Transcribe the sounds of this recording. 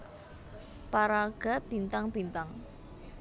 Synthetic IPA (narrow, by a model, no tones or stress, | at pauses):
paɾaɡ̥a̤b̥i̤nt̪aŋb̥int̪aŋ